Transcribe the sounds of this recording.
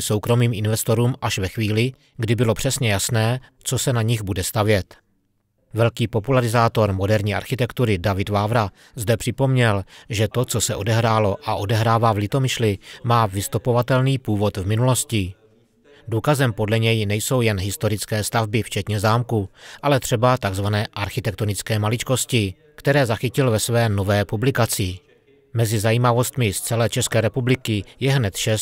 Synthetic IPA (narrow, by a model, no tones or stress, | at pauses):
so̞wkɾo̞miːmʔɪnvɛst̪o̞ɾuːmʔaʃvɛxviːlɪ | ɡdɪbɪlo̞pr̥ɛsɲɛjasnɛː | t͡so̞sɛnaɲɪɣbudɛst̪avjɛt̪ | vɛlkiːpo̞pulaɾɪzaːt̪o̞ɾmo̞dɛɾɲiːʔa̰ɾxɪt̪ɛkt̪uɾɪdavɪdvaːvɾa | zdɛpr̥ɪpo̞mɲɛlʒɛt̪o̞t͡sosɛʔo̞dɛɦɾaːlo̞ʔaʔo̞dɛɦɾaːvaːvlɪt̪o̞mɪʃlɪmaːvɪst̪upo̞vat̪ɛlniːpuːvo̞t̪vmɪnulo̞scɪ | duːkazɛmpo̞dlɛɲɛjnɛjso̞wjɛnɦɪst̪o̞ɾɪt͡skɛːst̪avbɪft͡ʃɛt̪ɲɛzaːmkuʔalɛt̪r̝̥ɛbat̪aɡzvanɛːʔaɾxɪt̪ɛkt̪o̞nɪt͡skɛːmalɪt͡ʃko̞scɪ | kt̪ɛɾɛːzaxɪcɪlvɛsvɛːno̞vɛːpublɪkat͡sɪ | mɛzɪzajiːmavo̞st̪mɪst͡sɛlɛːt͡ʃɛskɛːɾɛpublɪkɪjɛɦnɛt̪ʃɛs